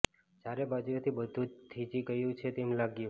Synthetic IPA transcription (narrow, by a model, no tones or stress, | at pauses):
d͡ʒaɾebad͡ʒɾot̪ʰibəd̪ʱũt̪ʰit͡ʃiɡəjũt͡ʃʰet̪emlaɡju